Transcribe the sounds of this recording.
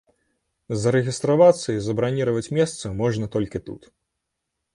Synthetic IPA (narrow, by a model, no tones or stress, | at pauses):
zɐɾɛɣʲist̪ɾavat̪sːɐizɐbɾanʲiɾɐvɐt͡sʲmʲɛst̪sɐmɔʐnɐt̪ɔlʲkʲit̪ṵt̪